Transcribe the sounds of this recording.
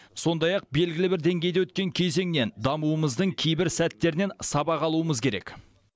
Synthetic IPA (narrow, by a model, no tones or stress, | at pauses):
so̞nd̪ɑjɑq̚be̞lɡʲɪlɪbɪɾd̪e̞ŋɡʲe̞jd̪ewɵt̪̚kʲe̞ŋkʲʰe̞jze̞ŋne̞nd̪ɑmuəməzd̪əɴkʲʰejbɪɾsæt̪ːe̞ɾɪne̞nsɑbɑqɑlˠuəməzkʲʰe̞ɾe̞̰k